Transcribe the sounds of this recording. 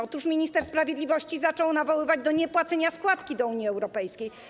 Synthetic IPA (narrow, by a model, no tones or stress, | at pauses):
ɔt̪uʂmʲiɲist̪ɛɾspɾavʲjed̪lʲivɔɕt͡ɕizat͡ʂɔwnavɔwɘvad͡ʑd̪ɔɲɛpwat̪sɛɲaskwat̪kʲid̪ɔuɲjiɛwɾɔpɛjskʲej